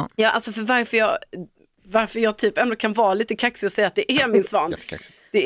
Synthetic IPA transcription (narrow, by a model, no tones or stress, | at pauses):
jɑːʔa̰lsɔfœɾvaɾfœjɑː | vaɾfœɾjɑːɡt̪ʰyːpɛnd̪ɔkʰanvɑːliːt̪əkʰaksɪɔsɛjːat̪̚d̪ɛʔæɾmɪnsvɑːn̰ | d̪ɛ